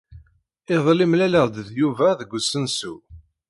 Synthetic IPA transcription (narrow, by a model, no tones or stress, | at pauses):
ɪðˤlɪmlæləʁd̪əðjuvæðəɡʷːsənsṵ